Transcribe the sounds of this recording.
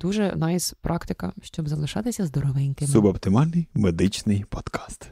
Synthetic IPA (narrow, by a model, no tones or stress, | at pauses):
d̪̥uʒɛnɑispɾʔɑkt̪ɪkɐʃt͡ʃɔbzɐlˠɪʃɑt̪ɪsʲɐzd̪ɔɾɔʋɪnʲkɪmsʊbɔpt̪ɪmɑlʲnɪjmed̪ɪt͡ʃnɪjpɔd̪̥kʰɑ̥st̪